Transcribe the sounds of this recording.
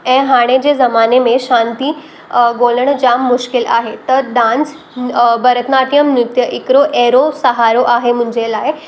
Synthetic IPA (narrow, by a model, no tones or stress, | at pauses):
ɛ̃ːɦaɽ̃ed͡ʑezɐmaːnemẽʃãnt̪iː | ɡoːləɽ̃d͡ʑamːʊʃkɪla̰ːɦet̪əd̪ãnd͡z | bəɾət̪naʈijəmnʊt̪jəʔɪkɾoʔeːɾosəɦaːɾoʔaːɦemũɲd͡ʑelaːe